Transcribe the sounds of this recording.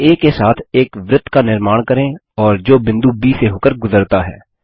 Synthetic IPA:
eːkːesaːt̪ʰeːkʋɾɪt̪ːkanɪɾmaːɽ̃kɐɾẽ | ɔːɾd͡ʒoːbɪ̃nd̪ubiːseɦoːkəɾɡʊzəɾt̪aɦɛ̰ː

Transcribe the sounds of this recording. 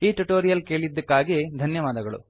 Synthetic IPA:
iːʈuʈoːɾijɐlke̞ːɭid̪ːɐkːaːɡed̪ʱɐnjɐʋaːd̪ɐɡɐɭṵ

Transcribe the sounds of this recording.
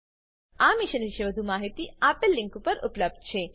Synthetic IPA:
amiʃənʋiʃeʋəd̪ʱumaɦit̪iapəlːiŋkupəɾṵpləb̚d̪̚t͡ʃʰe

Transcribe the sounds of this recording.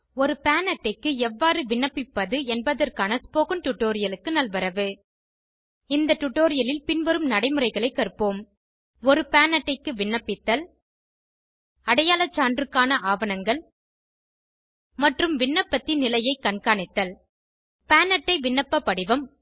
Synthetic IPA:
ɔɾɯpaːnɐʈːɐɪkːɯɛʋːaːɾɯʋɪɳːɐpːɪpːɐðɯɛnbɐðɐrkaːnɐspoːɣɯnʈʊʈːoːɾɪjɐlɯkːɯnɐlʋɐɾɐʋɯ | ɪnd̪ɐʈʊʈːoːɾɪjɐlɪlpɪnʋɐɾɯmnɐɽɐɪmɯɾɐɪɣɐɭɐɪkːɐrpoːm | ɔɾɯpaːnɐʈːɐɪkːɯʋɪɳːɐpːɪt̪ːɐl | ɐɽɐjaːlɐt͡ʃːaːndrɯkːaːnɐʔaːʋɐnɐŋɡɐɭ | mɐʈrɯmʋɪɳːɐpːɐt̪ːɪnːɪlɐjɐɪkːɐɳkaːɳɪt̪ːɐl | paːnɐʈːɐɪʋɪɳːɐpːɐpːɐɽɪʋɐm

